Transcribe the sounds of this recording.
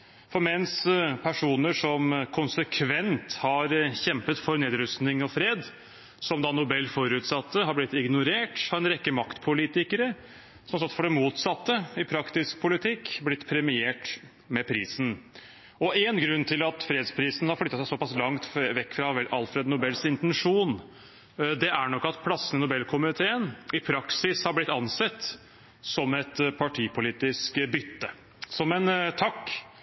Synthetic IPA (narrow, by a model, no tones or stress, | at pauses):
fɔɾmɛnspʰæʂuːnəʂɔmkʰʊnsəkʰʋɛnt̪hɑɾçɛmpət̪fɔɾneːd̪ɾʉst̪nɪŋɔfɾeːd̪ | sɔmd̪ɑnʊbɛlːfɔɾʉːt̪sɑt̪ːəɦɑblɪt̪ːɪɡnʊɾeːʈhɑɾɛnɾɛkːəmɑkt̪pʰʊliːt̪ɪkəɾə | sɔmsɔt̪ːfɔɖɛmuːt̪sɑt̪ːəɪpʰɾɑkt̪ɪsk̚pʰʊlɪt̪ʰɪkːblɪt̪ːpʰɾɛmɪeːʈ | mɛpʰɾiːsn̩ | ɔenɡɾʉnːt̪ʰɪlɑt̪fɾeːd̪spʰɾiːsn̩hɑɾflʏt̪ːɑsæɪsɔpɑslɑŋt̪ʋɛkːfɾɑɛʔɑlfɾɛd̪nʊbɛlsɪnt̪ɛnʂuːn | d̪ɛʔæɳɔkːɑt̪pʰlɑsːənɪnʊbɛlːkʰʊmɪt̪ʰeːənɪpʰɾɑksɪshɑɾblɪt̪ːɑnsɛt̪ː | sɔmɛt̪pʰɑʈʰiːpʰʊliːt̪ɪskbʏt̪ːə | sɔmɛnt̪ʰɑkː